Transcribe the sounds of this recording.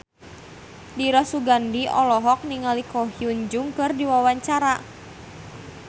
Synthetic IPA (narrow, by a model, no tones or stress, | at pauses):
diɾɔsuɡandiɔlɔɦɔk̚niŋalikɔɦiuɲd͡ʒʊŋkɨrdiwawaɲt͡ʃaɾa